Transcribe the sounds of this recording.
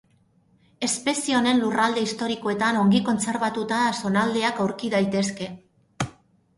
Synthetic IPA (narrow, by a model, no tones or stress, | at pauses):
e̞spe̞sione̞nlurald̪e̞ist̪o̞ɾiko̞e̞t̪ano̞ŋɡiko̞nt͡se̞ɾβat̪ut̪aso̞nald̪e̞akawɾkiðajt̪e̞ske̞